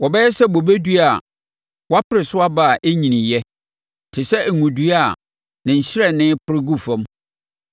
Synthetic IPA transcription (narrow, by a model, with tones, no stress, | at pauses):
wɔ˨bɛ˦jɛ˦sɛ˦bo˨be˦du˦a˨ | wa˦pɪ˦ɾɪ˨sʊ˦a˦ba˦˨a˨ʔe˦ɲĩ˨nɪ̃˨jɛ˦ | tʰɪ˨sɛ˦˨ŋũ˨du˦a˦˨ | nɪ̃˨ɲ̩˨ɕɪ˦ɾɛ˨nɪ̃˦pʰɪ˦ɾɪ˦ɡu˦˨fɔ̃˦m